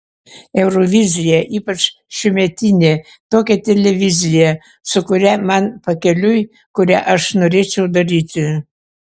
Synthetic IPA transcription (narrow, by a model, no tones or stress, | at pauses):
ewrovʲizʲijaʔipət͡ʃ | ʃymʲet̪ʲinʲe | t̪okʲet̪ʲelʲevʲizʲija | sokuɾʲæmanpəkʲelʲuj | kuɾʲæʔəʃnoɾʲet͡ɕed̪əɾit̪ʲy